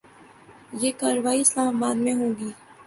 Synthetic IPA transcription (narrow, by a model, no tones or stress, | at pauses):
jeːkaːɾəʋaːiɪslaːmabaːd̪mẽɦõːɡiː